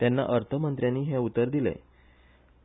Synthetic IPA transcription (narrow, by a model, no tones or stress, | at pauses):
t̪janːa̰ʔəɾt̪ʰəmənt̪ɾjanːiːɦẽut̪ːəɾd̪ilɛ̰